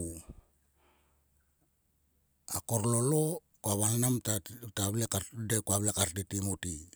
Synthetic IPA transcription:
ako̞ɾlo̞lo̞ | kuaβalnamtataβlekadekuaβlekaɾtitimoti

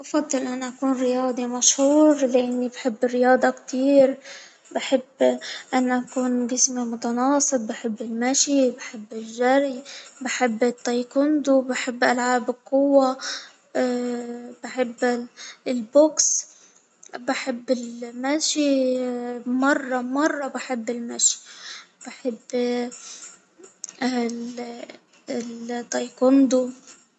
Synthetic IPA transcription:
ʔɑfɑd̪ˤːɨlʔanaʔakuːnrɾɪjɑːd̪ˤimaʃhuːɾlɪʔɪnːibħɪbːɪrɪjɑːd̪ˤɑkt̪ʰiːɾ | baħɪbːʔanːaʔakuːnɡɪsmimʊt̪ɑnɑːsˤɨt̪̚bɪħɪbːɪlmaʃibaħɪbːɪlʒaɾibaħɪbːɪt̪ˤːɑjkʊnd̪ubaħɪbːʔalʕaːbqːʊwːa | baħɪbːlboks | baħɪbːɪlmaʃi | mɑrˤːɑmɑrˤːɑbɪħɪbːɪlmaʃi̥b̥ɪħɪbː | t̪ˤːɑjkʊnd̪u

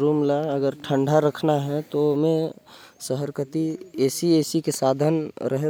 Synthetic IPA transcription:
ɾuːmlaəɡəɾʈʰə̃ɳɖʱaɾəkʰnaɦɛ̃t̪omẽsəɦəɾkət̪ieːsieːsikesaːd̪ʱənɾʔəɦe

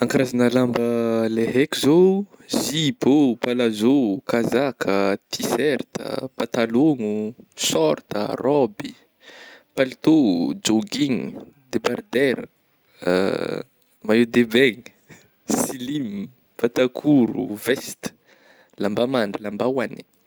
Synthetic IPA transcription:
aŋkaɾazanəlambəleɦekizo | zibopalazokazakʰət̪ʰisɛɾt̪ə̰pat̪aloŋusɔɾt̪ə̰rɔbi | palit̪od͡ʒoɡiŋd̪ebard̪ɛɾə̰ | maed̪ebɛŋi | silim | pat̪akʰuɾṵvɛst̪ə̥ | lambamaɳɖ͡ʐəlambawani̥

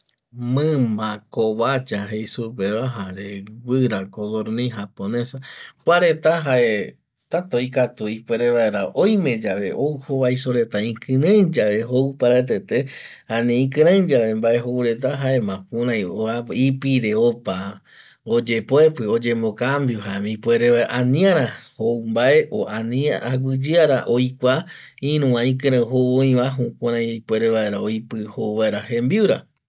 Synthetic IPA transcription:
mɨ̃mbakoβat͡ʃaɦejsupeβaɦaɾewɨɾakod̪oɾnĩɦaponesakʷaɾe̞t̪aɦaʔe̞ | t̪at̪oikat̪uipweɾeβaeɾaʔojmẽ̞d͡ʒaʋe̞ʔowhoβajsoɾe̞t̪aĩkɨ̃ɾẽd͡ʒaʋe̞ɦowpaɾat̪̬et̪ehanẽĩkɨ̃ɾẽd͡ʒaβe̞mbae̞ɦoɾe̞t̪̬aɦaemãkũɾãj̃oaipiɾeopa | od͡ʒepoepɨo̞d͡ʒe̞mbokambjoɦamĩpʷeɾeaanĩãɾ̃ahowmbaʔe̞ʔoãnĩaaɡɨd͡ʒɨaɾaʔojkʷa | ĩɾũãĩkɨ̃ɾ̃ẽɦooĩβaɦũkʷuɾãpwe̞ɾeβaeɾaojpɨhowβaeɾahẽmbiuɾa̰

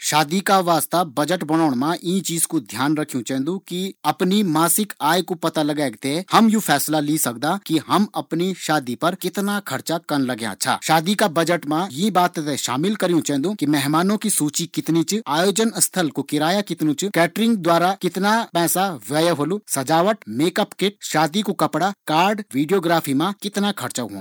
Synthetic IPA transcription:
ʃaːd̪ikaʋaːst̪abɐd͡ʒəʈbɐñaːɽ̃mãʔĩːt͡ʃiːzkod̪ʱjaːnɾɐkʰːijũt͡ʃɛ̃ɦnd̪ũkiɐpnimaːsɪkaːjkopɐt̪alɐɡɛːɡt̪ehɐmjupʰɛːslalisɐk̚d̪akiɦɐmɐpniʃaːd̪ipɐɾkɪt̪nakʰɐɾt͡ʃakɐnlɐɡjã̰t͡ʃʰa̰ːʃaːd̪ikabɐd͡ʒəʈmãjebaːt̪t̪ɛʃa̰ːmɪlkɐɾijũt͡ʃɛ̃ːnd̪ũːkimɛɦmaːnõkisuːt͡ʃikɪt̪nit͡ʃaːjoːd͡ʒənɐst̪ʰəlkokɪɾaːjakɪt̪nũt͡ʃkɛːʈɾɪ̃ŋɡd̪waːɾakɪt̪napɛːsaʋɛːjəɦoːlusɐd͡ʒaːʋəʈmeːkəpkɪʈ̚ʃaːd̪ikokɐpɽakaːɾɖʋiːɖijoːɡɾaːpʰimãkɪt̪nakʰɐɾt͡ʃaɦõ̰ː

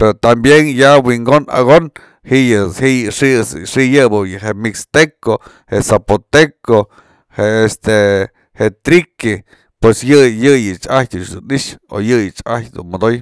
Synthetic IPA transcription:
peɾot̪ambjenjawiŋɡona̰ɡon | hiʔjɨhiʂisʂijɨbɨjɨɦemikst̪eko | hesapot̪eko | heest̪e | het̪ɾike | pwesjɨjɨjɨt͡ʃahjd̪ut͡ʃd̪uniʂo̰jɨjɨt͡ʃahjd̪ṵnmod̪oj

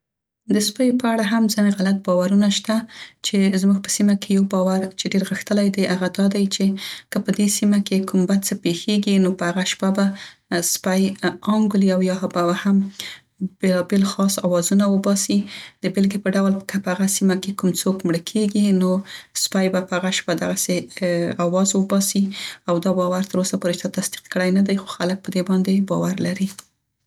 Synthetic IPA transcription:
d̪əspajpəaɽaɦamzəneɣalat̪̚bɑwaɾunaʃt̪at͡ʃezmuɡ̚pə̥simakejawbɑwaɾt͡ʃeɖeɾɣəxt̪əlajd̪ajʔaɣad̪ɑd̪ajt͡ʃekəpəd̪esimakekumbad̪̚t͡səpexeɡinopəhaɣaʃpabaspajɑŋɡuliawjɑɦbabaham | belɑbelxɑsawɑzunawəbɑsid̪əbɪlɡipəɖawlkʰəpəhaɣasimakekumt͡sokmɽəkʰeɡinospajbapəaɣaʃpad̪aɣaseawɑzwəbɑsiawd̪ɑbɑwaɾt̪əɾosapoɾet͡ʃ̪at̪asd̪i̥qkəɽajnad̪ajxo̥xalək̚pəd̪ebɑnd̪ebɑwaɾlaɾi

